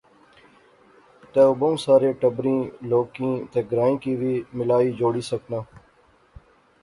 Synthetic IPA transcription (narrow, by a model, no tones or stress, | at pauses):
t̪eːʊboũːsaːɾeːʈəbɾĩːloːkĩːt̪eːɡɾaːĩːkiːʋiːmɪlaːiːd͡ʒoːɽiːsəknãː